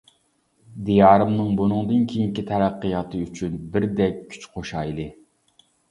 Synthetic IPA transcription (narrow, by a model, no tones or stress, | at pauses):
d̪ijɑːɾɨmnɨŋbunɨŋd̪ɨnkʲʰijiŋkʲit̪ʰɛɾæqːɨjɑt̪ʰɨyt͡ʃʰynbɪɾd̪ɛkʲʰːy̥t͡ʃqʰoʃɑjlˠɨ